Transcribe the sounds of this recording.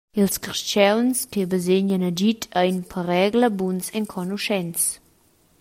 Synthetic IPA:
ilskəʁʃt͡ʃɛlnskebəzeɲənəd͡ʒitʰəjnpʰəɾɛɡləbunsɛŋkʰɔnuʃɛns

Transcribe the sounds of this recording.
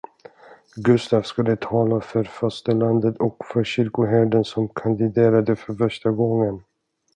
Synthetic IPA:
ɡɵst̪aːvskad̪ət̪ʰɑːlafœɾfœʂtəland̪ət̪ɔkfœɾɕʏɾkʊɦæːɖənsɔmkʰand̪ɪd̪eːɾad̪əfœɾfœʂʈaɡɔŋːən

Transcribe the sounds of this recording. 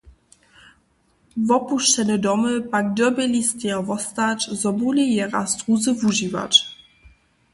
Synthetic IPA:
vɔpuʃt͡ʃɛnʲɛd̪ɔmɘpak̚d̪œbelʲist̪ɛavɔst̪at͡ʃzɔbulʲijɛʁa̰st̪ʁuzəvuʒiva̰t͡ʃ

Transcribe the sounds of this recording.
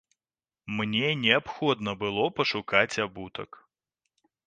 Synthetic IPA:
mnʲɛnʲɛapxɔd̪nɐbɨlˠɔpɐʂukat͡sʲabut̪ɐ̰k

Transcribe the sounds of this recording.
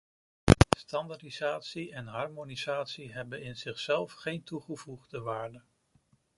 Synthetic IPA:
stɑndadizaːtsiɛnɦɑɹmonizaːtsiɦɛbənɪnz̥ɪχsɛlˠfχejntuχəvuχdəʋaːɹdən

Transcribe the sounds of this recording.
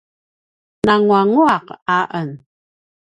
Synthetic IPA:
naŋuaŋuaqaʔən

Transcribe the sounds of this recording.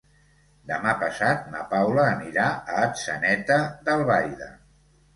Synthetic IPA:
d̪əmapəsat̪̚na̰pawləːniɾaəːt̪sənɛt̪əðəlˠβajðə̰

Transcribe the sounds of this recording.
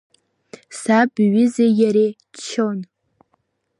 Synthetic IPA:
sabɥɪzejaɾe | t͡ʃʰːon

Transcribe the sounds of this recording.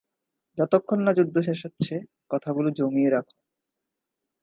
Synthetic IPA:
d͡ʑɔt̪okʰːonːad͡ʑud̪ʱːoʃeʃotːɕʰe | kɔt̪ʰaɡulod͡ʑomieɾakʰo̥

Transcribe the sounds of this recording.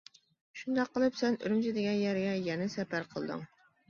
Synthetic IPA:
ʃund̪ɑqʰːəlˠɨpsɛny̰ɾmt͡ʃʰɪd̪ɪɡʲɛnjɛɾɡʲɛjɛnɛsɛpæɾqʰəlˠd̪ɨ̰ŋ

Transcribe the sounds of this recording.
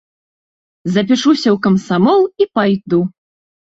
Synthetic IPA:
zɐp̬ʲiʂusʲɐwkɐmsamɔlˠipajd̪u

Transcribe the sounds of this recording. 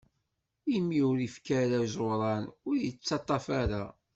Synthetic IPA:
imːiʊɾifkæɾazoɾˤɑnʊɾjət͡sːɑt̪ˤːɑfaɾa

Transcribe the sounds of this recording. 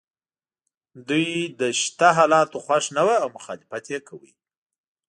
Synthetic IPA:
d̪ujd̪əʃt̪aɦɑlɑt̪oxwaʂnawaːwmʊxɑlɪfat̪jekʰawḭ

